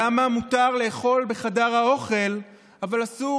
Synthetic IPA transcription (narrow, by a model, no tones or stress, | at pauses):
amamutaʁle̞ːχo̞lbe̞χadaʁhao̞χe̞l | avalasu